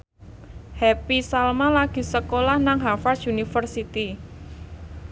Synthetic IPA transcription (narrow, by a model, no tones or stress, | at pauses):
hɛpisalmalaɡ̥i̤səkolahnaŋɦafarsunifərsit̪i